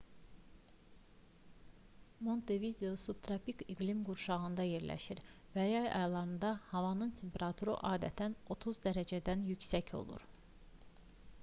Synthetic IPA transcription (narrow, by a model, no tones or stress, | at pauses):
mo̞nt̪ʰevid̪eo̞sub̚t̪ʰɾɑpikiɡlimɡuɾʃɑɣɯnd̪ɑje̞ɾlæ̰ʃiɾ | væjɑjɑ̰jlˠɑɾɯnd̪ɑhɑvɑnɯnt̪ʰe̞mpʰeɾɑt̪ʰuɾɯ̰ʔɑːd̪æt̪ʰæno̞t̪ʰuzd̪æɾæd͡ʒæd̪ænjycsæcʰo̞̰lˠṵɾ